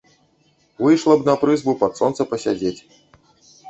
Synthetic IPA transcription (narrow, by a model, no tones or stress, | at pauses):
vɨjʂlˠɐbnɐpɾɨzbupɐt̪sɔnt̪sɐpɐsʲad͡zʲet͡sʲ